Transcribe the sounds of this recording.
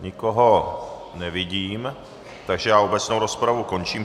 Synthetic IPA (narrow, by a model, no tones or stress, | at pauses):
ɲɪkoɦonɛvɪɟiːm | t̪aɡʒɛjaːobɛt͡snowɾo̞spɾavuko̞nt͡ʃiːm